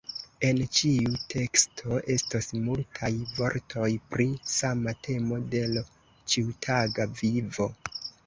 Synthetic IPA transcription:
e̞nt͡ʃiutʰe̞kstʰo̞ʔe̞stasmultʰajvo̞̰ɾtʰo̞jpɾisamatʰe̞mo̞de̞l | t͡ʃiutʰaɡavivo̞

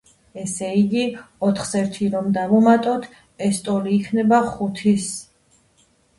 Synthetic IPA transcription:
ɛsɛiɡiɔt̪ʰχsɛɾt̪ʰiɾɔmd̪avɔmat̪ʼɔt̪ʰ | ɛst̪ʼɔliːkʰnɛbaχut̪ʰis

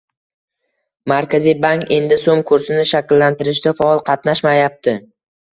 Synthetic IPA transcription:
maɾkʲʰazijbaŋkʲe̞nd̪ɪsomkʰʊɾsɪnɪʃakʲlːant̪ɪɾɪʃ̬d̪afaɒlˠqʰɑt̪naʃmajap̚t̪ʰɪ

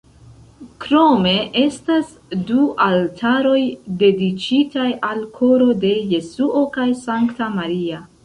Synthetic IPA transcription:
kɾo̞me̞ʔe̞stas | duʔaltʰaɾo̞jde̞dit͡ʃitajalkʰo̞ɾo̞de̞je̞suʔo̞kajsaŋktamaɾia

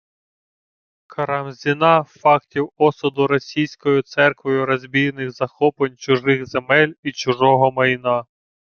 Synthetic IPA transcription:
kʰɐɾɐmzʲinɑfɑktʲiwɔsʊd̪ʊɾɔsʲijsʲkɔjʊt̪sɛrkʋɔjʊɾɔzʲbʲijnɪxzɐxɔpenʲt͡ʃʊʒɪxzemɛlʲit͡ʃʊʒɔɦɔmɐjnɑ

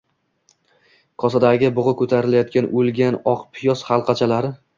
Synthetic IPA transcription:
kʰɒsad̪aɡʲɪbʊʁɨkʰɵt̪ʰaɾɪlajɒt̪̚kʲʰanʔɵlɡʲanɒqpʰɪjɒshɑlˠqʰɑt͡ʃʰalaɾɪ

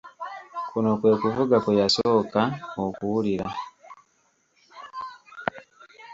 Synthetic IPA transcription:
kuno̞kwe̞ːkuvuɡakejasoːkaokuwuliɾa

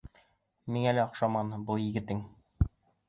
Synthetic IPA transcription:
miŋælɘɑqʃɑmɑnbɤlˠjɘ̆ɡɘ̆t̪ɘŋ

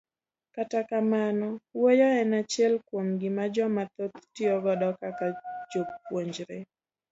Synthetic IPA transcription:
katakamanɔwojɔɛnat͡ʃɛlkwomɡɪmad͡ʒɔmat̪ot̪tɪɔɡɔdɔkakad͡ʒowoɲd͡ʒɾe

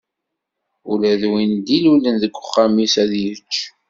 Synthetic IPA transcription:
ulæðwind̪ilulənðəkʷːʊχːamisæðjət͡ʃː

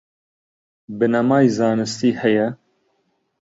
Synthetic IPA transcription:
bɨnɐmɑːjzɑːnɨst̪iːhɛjɛ

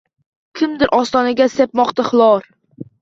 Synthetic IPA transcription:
kʲʰɪmd̪ɪɾʔɒst̪ɒnaɡʲasep̚mɒqt̪ʰaχlˠɒɾ

